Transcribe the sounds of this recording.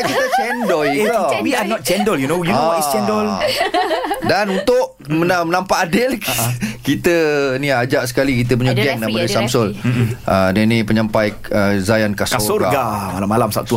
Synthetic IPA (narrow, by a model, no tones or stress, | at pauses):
kit̪ət͡ʃɛndɔiwianɔt̪̚t͡ʃɛndɔljunojunwist͡ʃɛndɔl | danunt̪ʊʔ | mənamənampaʔːdɪlkit̪ənĩad͡ʒaʔsə̥kalikit̪̬əp̬uɲaɡɛŋnamadəsamsɔlədənipəɲãmpaj | əzajankaskasoɡaɡamalamːalamsa̰p̚t̪u